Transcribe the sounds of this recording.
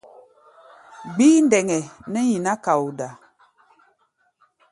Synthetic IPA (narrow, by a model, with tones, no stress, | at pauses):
ɡ͡biː˦n˦dɛ˨ŋɛ˨nɛ˦ɲi˨na˦ka˨u˨da˨